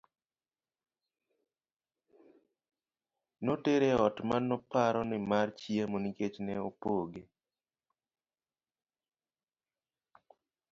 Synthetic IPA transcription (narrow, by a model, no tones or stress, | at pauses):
noteɾeɔtmanːɔpaɾɔnɪmart͡ʃiemoniket͡ʃnɛopoɡe